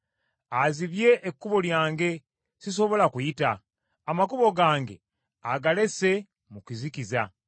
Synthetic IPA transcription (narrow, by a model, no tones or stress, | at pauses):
aziβje̞ʔːkːuβo̞ljaːŋɡe̞ | sis̬o̞βo̞lakujitaː | makuβo̞ɡaːŋɡe̞̰ | aɡale̞se̞ | mukizikiza